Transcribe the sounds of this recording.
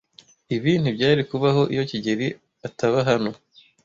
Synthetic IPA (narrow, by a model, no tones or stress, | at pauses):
iβiːn̥ubɟaːɾikuβaɦo̞ʔijo̞ciɟeɾi | ataβaɦano̞